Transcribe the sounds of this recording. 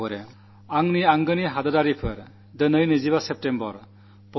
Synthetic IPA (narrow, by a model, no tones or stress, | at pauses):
ɔɾe | aŋniaŋɡɯniɦadɯdaɾipʰɯɾ | dɯnɯjnɯziβasep̚tembɔɾ | pɔ